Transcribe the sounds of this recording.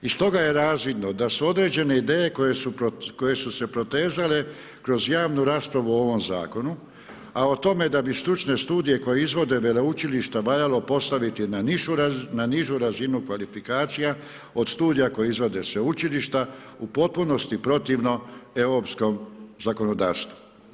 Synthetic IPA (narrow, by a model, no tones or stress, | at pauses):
ist̪o̞ɡaje̞ɾaːzʋid̪no̞d̪asuo̞d̪ɾe̞ːd͡ʑe̞ne̞id̪eːje̞kojesuko̞je̞suse̞pɾo̞t̪e̞ːzale̞ | kɾo̞zjaːʋnuɾaːspɾaʋuooʋo̞mza̰ːko̞nu | aot̪o̞me̞d̪abist̪ɾut͡ʃne̞st̪uːd̪ije̞ko̞jeizʋo̞d̪e̞ʋeleut͡ʃiliʃt̪aʋaʎalo̞po̞st̪aʋit̪inaniʃuɾnaniʒuɾazinukʋalifikaːt̪sija | o̞d̪st̪uːd̪ijako̞jeizʋo̞d̪e̞sʋeut͡ʃiliʃt̪aupo̞t̪̚puno̞st̪ipɾo̞t̪iʋno̞e̞ʋɾo̞ːpsko̞mzako̞no̞d̪aːɾst̪ʋu̥